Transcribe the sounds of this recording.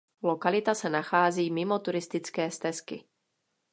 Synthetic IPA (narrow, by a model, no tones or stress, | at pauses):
lokalɪt̪asɛnaxaːziːmɪmot̪uɾɪst̪ɪt͡skɛːst̪ɛskɪ̰